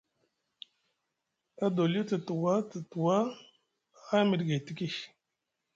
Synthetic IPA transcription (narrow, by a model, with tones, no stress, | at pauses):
a˦do˨lu˦tə˨tu˨wa˦tə˨tu˨wa˦ | mi˨dɡa˨ti˦ki˦